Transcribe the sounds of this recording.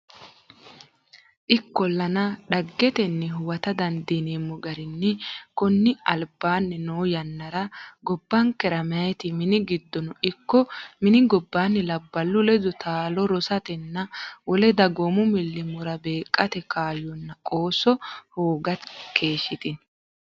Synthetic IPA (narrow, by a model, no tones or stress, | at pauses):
ʔɪkːɔlːɐnɐɗɐɡːɛt̪ɛnːɛɦʊwɐt̪ɐd̪ɐnd̪ineːmːɔɡɐɾɪnːɛkɔnːɪɐlbaːnːɛnoːjɐnːɐɾɐɡɔbːɐŋkɛɾɐmɛɐɛt̪ɪmɪnɪɡɪd̪ːɔnɔɪkːɔmɪnɪɡɔbːaːnːɛlɐbːɐlːʊlɛd̪ɔt̪ʰaːlɔɾɔsɐt̪ɛnːɐwɔlɛd̪ɐɡomʊmɪlːɪmʊɾɐbe̞ːkʼːɐt̪ɛkʰaːjɔnːɐkʼo̞ːsɔhoːɡɐt̪kʰe̞ːʃɪt̪ɪn